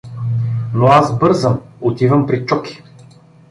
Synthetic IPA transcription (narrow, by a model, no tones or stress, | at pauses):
noazbɤɾzəmot̪ivɐmpɾit͡ʃɔki̥